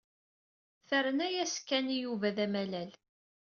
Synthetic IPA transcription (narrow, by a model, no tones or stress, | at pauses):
θəɾənæjæskːænijuvæðæmælæl